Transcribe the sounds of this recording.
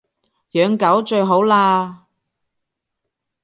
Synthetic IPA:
jœː˨˧ŋkɐ˨˥wt͡ʃɵ˧ɥɦo˨˥wlaː˧

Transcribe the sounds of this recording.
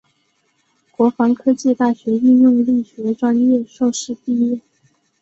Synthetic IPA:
kwɔ˧˥fɑ˧˥ŋkʰɤ˥t͡ɕi˥˧t̪a˥˩ɕɥɛ˧˥y˥˧njʊ˥˧ŋli˥˩ɕɥɛ˧˥ʈ͡ʂwa˥njɛ˥˧ʂo˥˧ʊʂɻ̩˥˩pi˥˧jɛ˥˩

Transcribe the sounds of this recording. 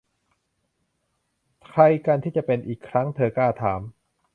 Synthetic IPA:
t̪ʰa˧jka˧nt̪ʰiː˥˩t͡ɕa˨˩pe˧nʔiː˨˩kʰːɾa˦˥ŋt̪ʰɤː˧kaː˥˩t̪ʰaː˩˦m

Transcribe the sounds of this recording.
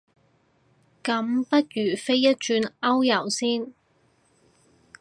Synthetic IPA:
kɐ˨˥mpɐ˥t̚jyː˨˩fe˥jːɐ˥t̚t͡ʃyː˧nɐ˥wjɐ˨˩wsiː˥n

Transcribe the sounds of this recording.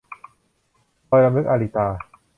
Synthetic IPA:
kɔː˧jɾa˧mɯ˦˥k̚ʔaː˧li˨˩t̪aː˧

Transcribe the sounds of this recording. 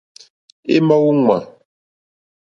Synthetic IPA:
ḛ˦ma˦wu˦ŋwa˨

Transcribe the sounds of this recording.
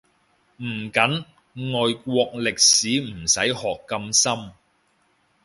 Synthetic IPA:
m̩ː˨˩kɐ˨˥n | ŋɔː˨jkʷwɔː˧k̚lɪ˨k̚siː˨˥m̩˨˩sɐ˨˥jhɔː˨kːɐ˧msɐ˥m

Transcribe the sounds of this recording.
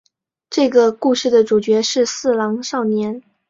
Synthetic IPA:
ʈ͡ʂɤ˥˩ɡə˩ku˥˧ʂɻ̩˥˩d̪ə˩ʈ͡ʂu˨˩t͡ɕɥɛ˧˥ʂɻ̩˥˧sɹ̩˥˩lɑ˧˥ŋʂɑ˥˩ʊnjɛ˧˥n

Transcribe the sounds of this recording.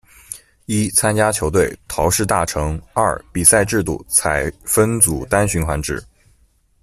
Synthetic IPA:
i˥t͡sʰa˥nt͡ɕja˥t͡ɕʰjo˧˥ʊt̪we˥˩ɪt̪ʰɑ˧˥ʊʂɻ̩˥˧t̪a˥˩ʈ͡ʂʰɤ˧˥ŋɐ̰˥˩pi˨˩sa˥˧ɪʈ͡ʂɻ̩˥˧t̪ṵ˥˩t͡sʰa˧˥ɪfə˥nt͡su˨˩t̪a˥nɕy˧˥nxwa˧˥nʈ͡ʂɻ̩˨˩˦

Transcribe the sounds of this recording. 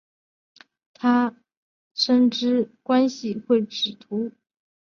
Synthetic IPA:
t̪ʰa˥ | ʂə˥nʈ͡ʂɻ̩˥kwa˥nɕi˨xwe˥˩ɪʈ͡ʂɻ̩˨˩t̪ʰu˧˥

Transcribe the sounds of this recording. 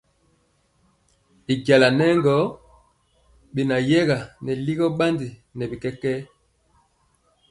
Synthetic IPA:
i˨ɟa˨la˨nɛ˦ŋɡɔ˨˦ | ɓi˨na˨jɛ˦ɣa˨nɛ˨li˦ɣɔ˦ɓa˦ndi˨nɛ˨bi˨kɛ˦kɛ˦

